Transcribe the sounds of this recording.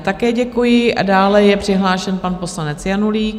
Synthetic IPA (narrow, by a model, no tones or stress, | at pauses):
t̪akɛːɟɛkujɪʔa̰daːlɛjɛpr̥ɪɦlaːʃɛnpanpo̞slanɛt͡sjanuliːk